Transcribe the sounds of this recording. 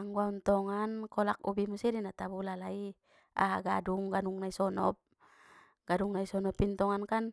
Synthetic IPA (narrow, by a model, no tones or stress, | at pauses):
aŋɡuaunt̪ɔŋankɔlak̚ṵbimusɛdinat̪abulalai | a̰ɦaɡaduŋɡanuŋnaisɔnɔp̚ | ɡ̥aduŋnaisɔnɔpint̪ɔŋankan